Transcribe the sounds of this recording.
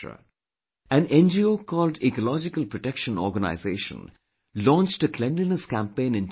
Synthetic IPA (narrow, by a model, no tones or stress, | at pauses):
ə̰ | æ̃nɛ̃nd͡ʒioːkʰɔːlɖikɔlɔd͡ʒɪkəlˠpɾɔʈɛkʃə̃nɔ̰ːɾɡəna̰ɪzeːʃə̰̃n | lɔ̃ːnt͡ʃʈəkʰlɛ̃nlinəskæ̃mpẽɪ̃nɪ̃n